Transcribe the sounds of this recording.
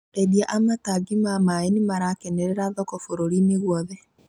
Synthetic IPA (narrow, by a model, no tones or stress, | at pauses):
edjaʔamataɡimamaenimaɾakɛnɛɾɛɾaðɔkɔfoɾoɾineɣwɔðɛ